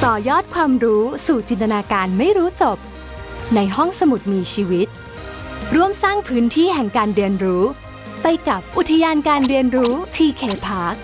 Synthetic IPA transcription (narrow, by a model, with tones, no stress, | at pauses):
t̪ɔː˨˩jɔː˥˩t̪̚kʰwaː˧mɾuː˦˥suː˨˩t͡ɕi˧nt̪a˧naː˧kaː˧nma˥˩jɾuː˦˥t͡ɕo˨˩p̚ | na˧jɦɔ˥˩ŋsa˧mu˨˩t̪̚miː˧t͡ɕʰiː˧wi˦˥t̪̚ | ɾu˥˩əmsaː˥˩ŋpʰɯː˦˥nt̪ʰiː˥˩ɦɛ˨˩ŋkaː˧nɾi˧ənɾuː˦˥ | pa˧jka˨˩p̚ʔu˨˩t̪ʰa˧jaː˧nkaː˧nɾi˧ənɾuː˦˥t̪ʰiː˧kʰeː˧pʰaː˦˥k̚